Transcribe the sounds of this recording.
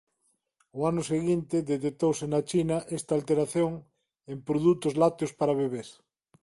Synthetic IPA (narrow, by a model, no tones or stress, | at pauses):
oanʊseɣint̪eðet̪ek̚t̪owsenat͡ʃinaʔest̪aːlt̪eɾaθjoŋ | empɾoðut̪ozlat̪jospaɾaβeβeθ